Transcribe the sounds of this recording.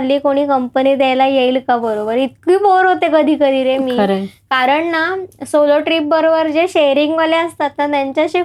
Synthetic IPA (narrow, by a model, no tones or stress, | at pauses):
liːkoɽ̃iːkəmpəniːd̪ɛjlajeilkabəɾobəɾit̪̚kiːpoɾɦot̪ekəd̪ʱiːkəd̪ʱiːɾemiːkaɾəɳnasoloʈɾiːp̚bəɾobəɾd͡ʑeɕejɾiŋɡʋəleəst̪at̪ːnat̪jaɲt͡ɕaɕe